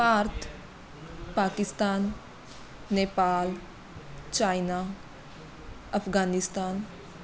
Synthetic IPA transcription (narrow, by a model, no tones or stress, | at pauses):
paːɾt̪ʰ | paːkɪst̪aːnː | eːpaːl | t͡ʃaːinaː | ɐpʰɡaːnɪst̪aːn